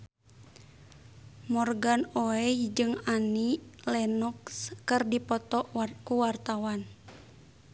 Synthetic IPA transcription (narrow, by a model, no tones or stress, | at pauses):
mɔrɡanoɛjd͡ʒɨŋanilɛnɔkskɨrdipɔt̪ɔʔkuwart̪awan